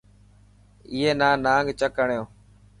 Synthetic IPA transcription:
iːɦeːnãːnaːŋɡt͡ʃəkəɳjõː

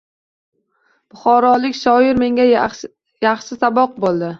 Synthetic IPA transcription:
b̥ʊχɒɾɒlɪkʲʃɒɪɾme̞ŋʲa | jaχʃɪsabɒq̚bolˠd̪ɪ

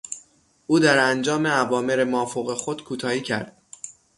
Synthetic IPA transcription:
ʔuːd̪æɾænd͡ʒɒːmeævɒːmeɾemɒːfoɣexo̞d̪̥kʰuːt̪ʰɒːhiːcʰæ̰ɾd̪̥̚

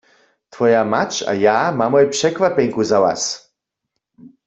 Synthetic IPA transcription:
t̪ʰfɔjamat͡ʃa̰jamamɔjpʂɛkʋapɛŋkuzawa̰s

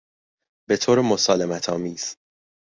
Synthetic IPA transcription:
b̥e̞t̪ʰoːɾemo̞sɒːlemæt̪ʰɒːmiːz̥

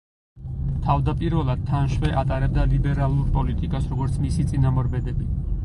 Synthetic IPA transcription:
t̪ʰavd̪apʼiɾvɛlˠad̪̥̚t̪ʰːanʃwɛʔat̪ʼaɾɛb̚d̪alibɛɾalˠuɾpʼɔlit̪ʼikʼasɾɔɡɔɾt̪sʰmisit̪sʼinamɔɾbɛd̪ɛbi

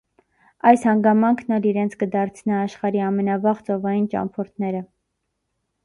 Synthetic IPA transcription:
ɑjshɑŋɡɑmɑŋkʰnɑliɾɛnt͡sʰkəd̪ɑɾt͡sʰnɑːʃχɑɾiɑmɛnɑvɑʁt͡sɔvɑjint͡ʃɑ̰mpʰɔɾt̪ʰnɛɾə

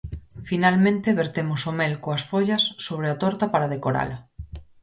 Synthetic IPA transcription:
finalmẽnt̪eβeɾt̪emosomelkoasfoʎɐsːoβ̞ɾeat̪ɔɾt̪apaɾað̞ekoɾa̰la

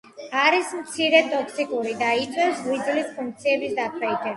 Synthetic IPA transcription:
aɾismt̪sʰiɾɛt̪ʼɔksikʼuɾid̪ait̪sʼwɛsvid̪zlispʰũŋk̚t̪sʰiɛbisd̪at̪ʰwɛit̪ʰʼɛ

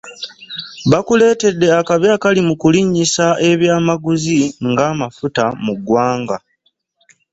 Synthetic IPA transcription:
βakule̞ːte̞dːe̞akaβjaːkalimukuliɲːisaʔe̞βjaːmaɡuziŋɡaːmafutamuɡwaːŋɡa

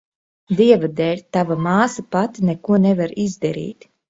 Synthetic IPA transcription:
d̪iɛvad̪ɛlʲt̪avamaːsapat̪inekuɔnevaɾizd̪aɾḭːt̪

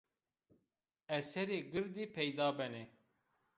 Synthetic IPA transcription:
ɛsɛɾeːɡɨɾd̪ipʰɛjd̪ɑːbɛne

